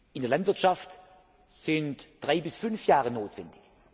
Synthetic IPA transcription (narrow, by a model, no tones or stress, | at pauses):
ʔɪndeɐlantv̥ɪɐtʃaft | z̥ɪntd̥ʁaɪbɪsfʏnfjaːʁənoːtv̥ɛndɪç